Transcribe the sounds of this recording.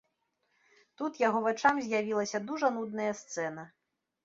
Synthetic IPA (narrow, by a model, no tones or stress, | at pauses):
t̪ut̪jaɣɔvat͡ʂamzʲjavʲilˠɐsʲɐd̪uʐɐnud̪̚nɐjɐst̪sɛn̪ɐ